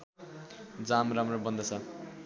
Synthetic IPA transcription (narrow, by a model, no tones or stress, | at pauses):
d͡zamramrobʌnd̪ʌt͡sʰʌ